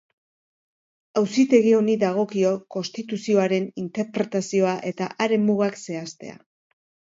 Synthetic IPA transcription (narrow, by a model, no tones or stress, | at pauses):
awsit̪e̞ɣ̞io̞niðaɣ̞o̞kio̞ko̞nst̪it̪usio̞aɾe̞nint̪e̞ɾpɾe̞t̪asio̞aʔe̞t̪aʔaɾe̞muɣakse̞ast̪e̞̰a̰